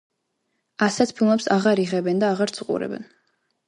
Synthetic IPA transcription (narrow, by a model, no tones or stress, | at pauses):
asat̪ʰpʰilˠmɛpsaʁaɾiʁɛbɛnd̪aːʁaɾt̪sʰuqʼṵɾɛ̰bɛ̰n